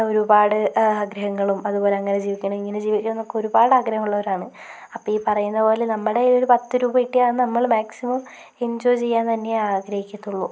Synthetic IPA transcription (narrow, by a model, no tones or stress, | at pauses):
o̞ɾubaːɽɨaːɡɾɐɦɐŋːɐɭumɐðubo̞ːle̞ɐŋːɐne̞d͡ʑiːʋikʲːuɳɐmiŋːined͡ʑiːʋikʲːunɐnːokːeo̞ɾubaːɽaːɡɾɐhɐmuɭːɐʋɐɾaːɳɨ | ɐpːoiːpɐrɐjunːɐpo̞ːlenɐmːɐɽe̞ioɾupɐt̪ːɨɾuːbɐiʈːijaːnɨnɐmːɐɭmaːksimɐm | end͡ʑoːjt͡ɕe̞jːaːnt̪ɐnːe̞aːɡɾɐhikʲːɐt̪ːuɭːu